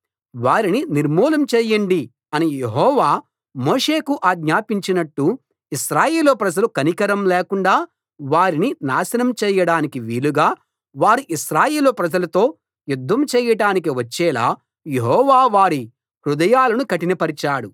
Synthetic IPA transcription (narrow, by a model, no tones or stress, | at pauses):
ʋaːɾininiɾmɔːlɐmt͡ʃɛːjɐɳɖi | ɐnijeɦɔːʋaː | moːʂeːkuʔaːɡɲaːpiɲt͡ʃinɐʈːu | iʃɾaːjeːlɐpɾɐd͡ʒɐlukɐnikɐɾɐmleːkuɳɖaː | ʋaːɾininaːʃɐnɐmt͡ʃɛːjɐɽaːnikiʋiːluɡaː | ʋaːɾiʔiʃɾaːjeːlɐpɾɐd͡ʒɐlɐt̪o̞ː | jud̪ʱːɐmt͡ʃɛːjɐɽaːnik̬iʋɐt͡ʃːɛːla̰ː | jeɦɔːʋaːʋaːɾi | kɾud̪ɐjaːlɐnukɐʈinɐpɐɾit͡ʃaːɽu